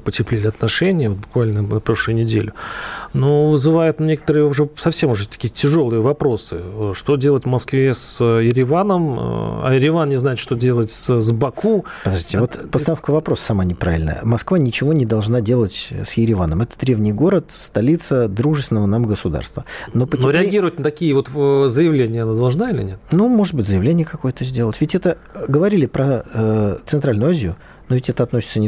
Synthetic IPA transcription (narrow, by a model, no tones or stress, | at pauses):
pətʲɪplʲelʲɪɐt̪nɐʂɛnʲɪjəvo̞t̪̚bʊkvalʲnənɐpɾo̞ʂlˠɨjʊnʲɪdʲelʲʊnovɨzɨvajʊt̪nʲekə̥t̪əɾɨjəʊʐɛsɐfsʲemʊʐɛt̪ɐ̥kʲijətʲɪʐo̞lˠɨjəvɐpɾo̞sɨʂt̪odʲelˠətʲvmɐskvʲesjɪɾʲɪvanəm̰a̰jɪɾʲɪvannʲɪznajɪt̪ʂt̪odʲe̞lˠətʲszbɐku | pəd̪ɐʐʲitʲɪvot̪pəst̪ɐnofkəvɐpɾo̞ssɐmanʲɪpɾa̰vʲɪlʲnə̰jə̰mɐskvanʲɪt͡ɕɪvo̞nʲɪd̪ɐlˠʐnadʲe̞lˠətʲsjɪɾʲɪvanəmɛt̪ə̥d̪ɾʲe̞vnʲɪjɡo̞ɾət̪st̪ɐlʲit̪səd̪ɾuʐɨst̪ʲɪnəvənamɡəsʊd̪a̰rst̪vəno̞pənʲoɾʲɪɐɡʲiɾəvətʲnət̪ɐkʲijəvo̞t̪zəjɪvlʲenʲɪjəɐnad̪ɐlˠʐnailʲɪ̰nʲet̪numo̞ʐɨt̪̚bɨtʲzəjɪvlʲenʲɪjəkɐko̞jət̪əzʲdʲe̞lˠətʲvʲɪtʲɛt̪ə | ɡəvɐɾʲilʲɪpɾəət̪sɨnt̪ɾalʲnʊːazʲɪjʊ | novʲɪtʲɛt̪əɐt̪no̞sʲɪt̪sənʲɪ